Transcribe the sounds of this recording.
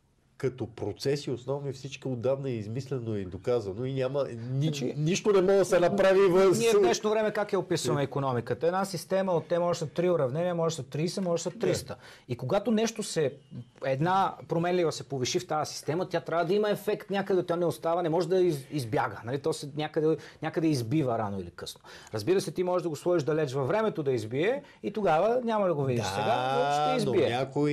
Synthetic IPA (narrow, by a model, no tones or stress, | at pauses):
kɐt̪opɾot̪sɛsiosnɔvnifsit͡ʃkiod̪avnɐizmislɛnoɛd̪okazɐnoinʲamənit͡ʃniʃt̪onɛmɔd̪ɐsɛnɐpɾavivəniɛvd̪nɛʃnovɾɛmɛkakɛopisənɐikonɔmikət̪əɛd̪nasist̪ɛməot̪ːɛmɔʒɛsət̪ːɾioɾɐvnɛnʲiəmɔʒɛsət̪ːɾijsəmɔʒɛsət̪ːɾist̪ə | ikoɡat̪onɛʃt̪osɛɛd̪napɾomɛnlivəsɛpoviʃift̪asi̥st̪ɛmət̪jat̪ɾʲavəd̪ɐimɐɛfɛkt̪nʲakəd̪ɛt̪ɔnɛost̪avənɛmɔʒɛd̪ɐiizbjaɡənɐlit̪ɔsɛnʲakəd̪ɛnʲakəd̪ɛizbivəɾa̰noḭlikɤsnoɾəzbiɾəsɛt̪imɔʒɛʒd̪ɐɡoslˠɔiʒd̪ɐlɛt͡ʃvɐvːɾɛmɛt̪od̪ɐizbiɛ | it̪oɡavənʲamɐd̪ɐɡovid̪ʃsɛɡaɔʃɛizbiɛk